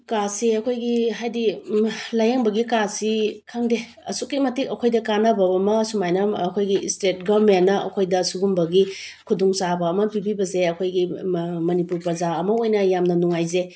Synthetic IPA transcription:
kasiɐkʰojɡiɦajdilajaŋbɐɡikasikʰaŋde | ɐ̰suk̚ːimɐtikɐkʰojdɐkanɐbɐbɐmɐsumajnɐːkʰojɡistet̚ɡamenːɐɐ̰kʰojdɐsuɡumbɐɡikʰudɔŋsabɐːmɐpibibɐzeɐkʰojɡimɐnipuɾpɾɐzaɐmɐojnɐjamnɐnuŋajze

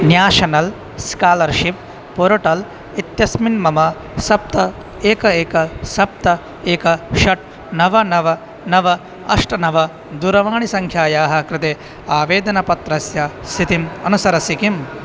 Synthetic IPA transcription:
njaːʃɐnɐl | skaːlɐɾʃip | poɾoʈɐl | it̪jɐsminmɐmɐ | sɐp̚t̪ɐ | eːkɐeːkɐsɐp̚t̪ɐ | eːkɐʃɐʈ̚ | nɐʋɐnɐʋɐ | nɐʋɐ | ɐ̰ʂʈɐnɐʋɐ | d̪uɾɐʋaːɳisɐŋkʰjaːjaːɦɐ̆kɾɪt̪eː | aːʋeːd̪ɐnɐpɐt̪ɾɐsjɐsʰit̪imɐnusɐɾɐsikim

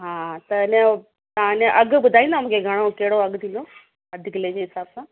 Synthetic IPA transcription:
ɦãːt̪ɐne | t̪ãnẽʔɐɡbʊd̪ʱaːĩnd̪am̤ũːkʰeɡʱɐɽ̃okeɽoɐɡd̪ilo | əd̪ʱikled͡ʑeɦɪsaːbsã

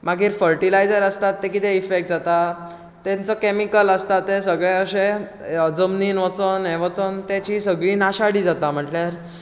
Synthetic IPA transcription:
maɡiːɾfəɾʈilajd͡zəɾəst̪at̪ːekit̪eifek̚ʈ̚d͡zat̪a | t̪ɛ̃nt͡səkemikələst̪at̪ːesəɡɭjaəɕẽ | əd͡zəmniːnʋət͡sənɦɛ̃ʋət͡sənt̪at͡ɕiːsəɡɭiːnaɕaɽiːd͡zat̪am̤əʈljaɾ

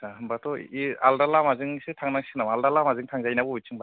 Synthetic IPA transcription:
aɦɯmbatʰɔialdalamazɯŋsɯtʰaŋnaŋsɯnamaldalamazɯŋtʰaŋzajnabɔujt͡ʃʰɯŋba

